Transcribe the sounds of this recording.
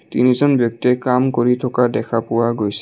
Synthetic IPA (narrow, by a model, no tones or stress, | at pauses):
tḭnizɔnbjɔk̚tiɛkamkoɹitʰɔkadɛkʰapʊwaɡojs